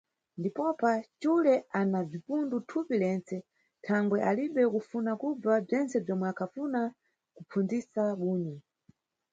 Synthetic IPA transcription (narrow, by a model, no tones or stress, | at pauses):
ndipɔpat͡ʃulɛanab͡ʐipundutʰupilɛnt͡sɛ | tʰaŋɡwɛʔaliɓɛkufunakub͡vab͡ʐɛnt͡sɛb͡ʐɔmwɛakʰafuna | kupʰund͡zisaɓuːɲɛ